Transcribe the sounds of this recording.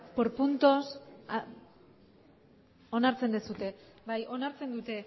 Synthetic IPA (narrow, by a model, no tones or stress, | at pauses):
poɾpunt̪o̞s | o̞naɾt͡send̪esut̪e̞bajʔo̞naɾt͡se̞nd̪ut̪e̞